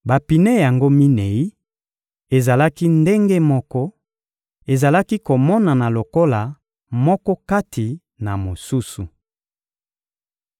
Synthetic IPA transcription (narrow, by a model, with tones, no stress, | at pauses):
ba˨pi˨ne˦ja˨ŋɡo˦mi˦ne˨i˦ | e˨za˨la˦ki˦nde˦ŋɡe˦mɔ˦kɔ˦ | e˨za˨la˦ki˦ko˨mɔ˦na˨na˨lo˨ko˦la˨ | mɔ˦kɔ˦ka˦tʰi˨ | na˨mo˨su˦su˨